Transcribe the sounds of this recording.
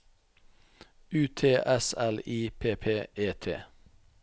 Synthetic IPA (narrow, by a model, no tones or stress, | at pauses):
ʉːt̪ʰeːʔɛsæliːpʰeːpʰeːʔeːt̪ʰḛː